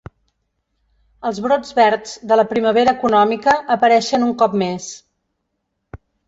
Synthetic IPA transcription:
əlˠzβɾod͡zβɛɾzd̪ələpɾiməβ̞eɾəːkunɔmikəːpəɾɛʃənuŋkɔp̚mes

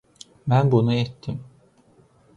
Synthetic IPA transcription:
bænbunuɛt̪ʰːim

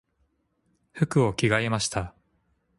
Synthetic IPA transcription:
ɸɯ̟kɯ̟o̞kʲiɡaemaɕi̥t̪a

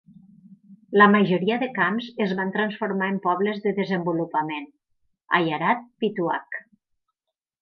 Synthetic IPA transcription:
ləmaʒoɾiəðəkamzezβant̪ɾansfoɾmaempɔβləzðəðəzəmbulupamen | a̰jaɾat̪̚pit̪ua̰k

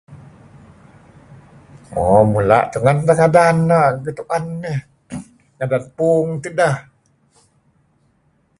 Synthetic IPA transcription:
mɔmula̰ʔt̪uŋand̪aŋadanːaɡət̪uʔanːeh | ŋadanpuŋt̪idah

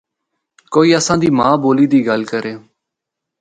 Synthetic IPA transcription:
koːiːəsãːd̪iːmãːboːliːd̪iːɡəlkəɾeː

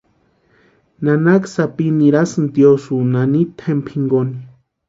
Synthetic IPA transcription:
nanaksapiniɾasɨnd̪josunanit̪ʰempʰiŋɡoni

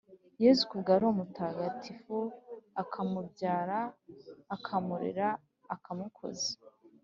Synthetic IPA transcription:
jeːzukubɡaɾomutaːɡatʰifuakʰamubɟaːɾaː | kʰamuɾḛɾaː | kʰamukʰo̰ze̥

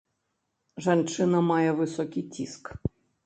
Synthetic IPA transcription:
ʐant͡ʂɪnɐmajɛvɨsɔkʲijtʲḭsk

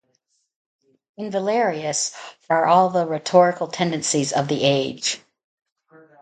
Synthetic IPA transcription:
ɨ̃nvəlɛɹiɨsə˞ʔɔlˠðəɹɨtʰɔɹɨkl̩ˠtʰɛ̃ndɨ̃nsizʌvðiʔeɪd̥d͡ʒʒ̥

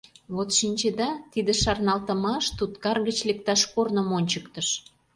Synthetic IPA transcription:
βot̪ʃinʲt͡ɕed̪ɑt̪id̪eʃɑrnɑlt̪ə̆mɑʃt̪ut̪kɑrɣət͡ɕlek̚t̪ɑʃkornomonʲt͡ɕəkt̪əʃ

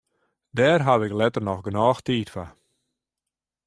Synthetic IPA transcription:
dɛːrɦaʋɪklɛtərnɔxɡənɔːxtiːtfa

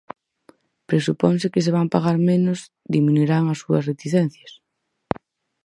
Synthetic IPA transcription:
pɾesupɔns̬ɪkɪseβ̞ampaɣaɾmẽnʊz | d̪iminuiɾaŋɐsːuɐsret̪iθɛn̟θjɐs

